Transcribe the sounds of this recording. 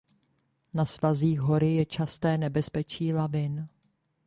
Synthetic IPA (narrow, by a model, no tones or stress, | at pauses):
nasvaziːɣɦo̞ɾɪjɛt͡ʃast̪ɛːnɛbɛspɛt͡ʃiːlavɪn